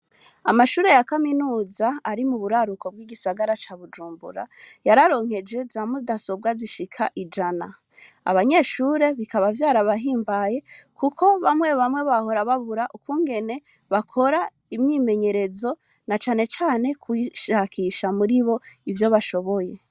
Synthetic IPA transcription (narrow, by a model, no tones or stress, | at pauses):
amaʃuːɾe̞jakaminuːzaːɾimuβuɾaɾuko̞bɡiːɡisaɡaɾat͡ʃaβud͡ʒuːmbṵɾa̰jaɾaɾo̞ŋ̥he̞d͡ʒe̞zamudaso̞b̚ɡaziʃikʰaʔid͡ʒana | a̰βaɲe̞ːʃuːɾe̞βikaβavjaːɾaβaɦiːmbaje̞kukʰo̞βamwe̞βamwe̞βaho̞ɾaβaβuɾaʔukuːŋɡe̞ne̞ | βakʰo̞ɾa | imɲiːme̞ɲe̞ɾe̞zo̞ | nat͡ʃaːne̞t͡ʃaːne̞kwiʃakʰiʃamuɾiβo̞ivjo̞βaʃo̞βo̞je̞